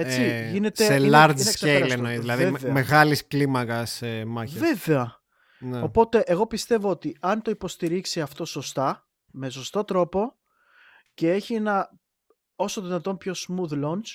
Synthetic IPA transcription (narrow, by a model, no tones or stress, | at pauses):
et͡siʝine̞tseelɐɾɐksseɐlsenoizðilɐðieemeɣɐlisklimɐkɐsemɐçve̞veɐ | neo̞po̞t̪e̞ʔeɣo̞pist̪e̞voot̪iɐnt̪o̞ipo̞st̪iɾiksiɐft̪o̞so̞st̪ɐ | me̞s̬o̞st̪o̞t̪ɾo̞po̞ | ce̞e̞çie̞nɐ | o̞soðinɐt̪o̞mpço̞smuðlo̞ns